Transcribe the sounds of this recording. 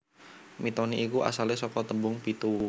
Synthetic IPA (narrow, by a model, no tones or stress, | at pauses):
mit̪ɔniʔːkuʔa̰salesɔkɔt̪əbʊŋpit̪u